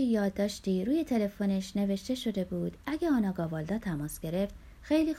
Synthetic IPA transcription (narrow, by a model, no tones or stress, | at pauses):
ejɒːd̪ːɒːʃt̪iːɾuːje̞t̪ʰe̞le̞fone̞ʃne̞ve̞ʃt̪e̞ʃo̞d̪e̞buːd̪æɡeɒːnɒːɡɒːvɒːld̪ɒːt̪ʰæmɒːsɡ̥e̞ɾe̞ft̪ | xejliː